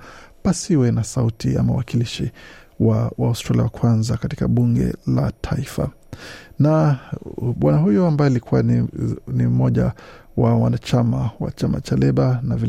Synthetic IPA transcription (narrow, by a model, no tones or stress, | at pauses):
pasiwɛnasautia̰mawakiliʃi | wawaustɾaliawakwanzakati̥kaɓuŋɡɛ̰latʰaifa̰ | na | ɓwanaɦujɔambajɔilikʰuwannim̩mɔʄa̰wawanat͡ʃamawa̰t͡ʃama̰t͡ʃalɛɓanavil